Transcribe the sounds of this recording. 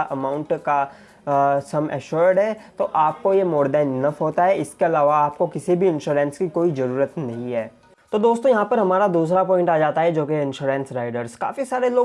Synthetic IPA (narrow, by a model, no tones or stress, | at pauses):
ʔɐmãːʊ̃ɳʈka | sɐmɛ̰ʃʊɾɖɦɛːt̪oʔaːp̚kojemoːɾd̪ɛːnnɐfɦoːt̪aɦɛɪskeɐlaːʋaaːp̚kokɪsibʱiɪ̃nʃuːɾɛ̃ːnskikoːizɐɾuːɾət̪nɐɦĩɦɛː | t̪od̪oːst̪õjɐɦãpɐɾɦɐmaːɾad̪uːsɾapɔːɪ̃ɳʈaːd͡ʒaːt̪aɦɛd͡ʒoːkeɪ̃nʃuːɾɛ̃ːnsɾaːɪɖəɾska̰ːfisaːɾeloː